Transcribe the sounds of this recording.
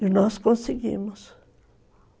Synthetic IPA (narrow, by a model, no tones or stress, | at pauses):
inoskonseɡḭmos